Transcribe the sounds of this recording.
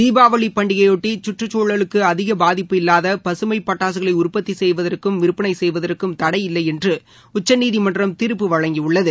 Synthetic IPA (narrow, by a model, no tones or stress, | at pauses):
iːbaːʋɐɭipɐɳɖɪɣɐjoːʈːit͡ʃʊʈrɯt͡ʃːoːɭɐɭɯkːɯɐðɪɣɐbaːðɪpːɯɪlːaːðɐpɐsɯmɐɪpːɐʈːaːs̬ɯɣɐɭɐɪʊrpɐt̪ːisɛjʋɐðɐrkɯmʋɪɾɯpːɪnɐɪsɛjʋɐðɐrkːɯmt̪ɐɽɐɪjɪlːɐɪɛndrɯ | ʊt͡ʃːɐnːiːðimɐndrɐmt̪ɪɾɯpːɯʋɐɻɐŋɡiʊɭːɐðɯ